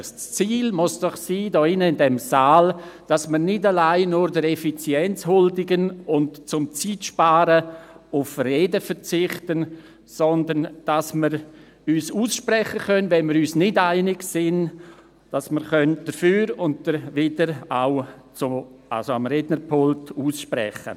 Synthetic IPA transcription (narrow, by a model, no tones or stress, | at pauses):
t͡st͡siːlmʊsd̥ɔχsiːdɔːɪnəɪndɛmsaːld̥asməɾnɪdalaɪnʊɾdəɾɛfit͡sjɛnt͡shʊldɪɡənʊntt͡sʊmt͡siːtʃpaːɾəʊfreːdəfəɾt͡sɪχtən | sɔndənd̥asməɾ | yːsuːsʃpɾɛχəkœnʋɛnməɾyːsnɪdaɪnɪɡsɪn | d̥asməɾχœnd̥əɾfyːɾʊnt̚d̥əɾʋɪdəɾaʊt͡sʊa̰lsoamɾɛːdnəɾpʰʊltuːsʃpɾɛ̰χə̰